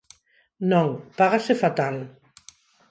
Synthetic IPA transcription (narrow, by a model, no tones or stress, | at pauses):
nõŋpaɣasefat̪al